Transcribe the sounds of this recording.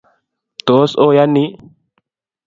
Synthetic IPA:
t̪oː˨˦soː˦ja˦nːi˦

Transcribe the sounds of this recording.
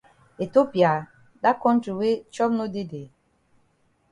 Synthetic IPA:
e˨to˦pi˨a˨ | da˦kɔ̃˦n̩˦tɾi˨we˦t͡ʃɔ˦bno˦de˦de˨

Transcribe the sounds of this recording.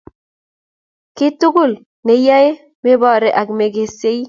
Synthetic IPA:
kɪ˦tʊ˦ɡo˦˨l | ne˨ja˦e˦ | me˦bɔ˦˨ɾɛ˨ʔa˨kme˨ɡe˨se˦i˦

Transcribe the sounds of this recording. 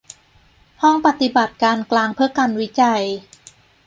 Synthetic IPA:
hɔ˥˩ŋpa˨˩t̪i˨ba˨˩t̪̚kaː˧nklaː˧ŋpʰɯ˥˩əka˧nwi˦˥t͡ɕa˧j

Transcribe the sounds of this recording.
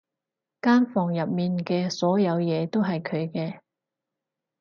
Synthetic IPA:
kaː˥nfɔː˨˩ŋjɐ˨p̚miː˨nkɛː˧sɔː˨˥jɐ˨˧wjɛː˨˧t̪o˥wɦɐ˨jkʰɵ˨˧ɥkɛː˧

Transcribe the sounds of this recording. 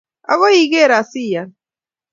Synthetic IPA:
a̰˦ɣɔ˦i˦˨ɣe˦˨ɾa˨si˦ja˨

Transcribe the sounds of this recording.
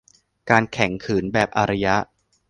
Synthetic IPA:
kaː˧nkʰɛ˩˦ŋkʰɯː˩˦nbɛː˨˩p̚ʔa˧ɾa˧ja˦˥ʔ

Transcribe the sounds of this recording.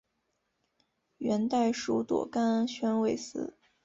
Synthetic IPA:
ɥɛ˧˥nt̪a˥˩ɪʂu˧˥t̪wɔ̰˨˩ka˥nɕɥɛ˥nwe˥˩ɪsɹ̩˧˥˦

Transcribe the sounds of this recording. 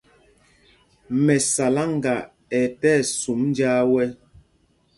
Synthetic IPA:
mɛ˨sa˨la˦ŋ˦ɡa˨ | ɛ˨tɛː˦˨su˨˦mn˦d͡ʒaː˦wɛ˦

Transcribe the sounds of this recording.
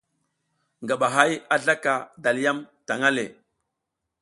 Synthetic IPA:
ŋɡa˨ɓa˨ɦa˦ja˦ɮa˦ka˨da˨li˦ja˦mta˨ŋa˦le˨

